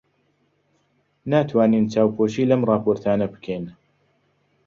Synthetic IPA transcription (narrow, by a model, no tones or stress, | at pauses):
naːt̪ʰwaːniːnt͡ʃaːwkʰoːʃiːlɐmrˤɑːpʰoːɾt̪ʰaːnɐbɨ̥kʰejn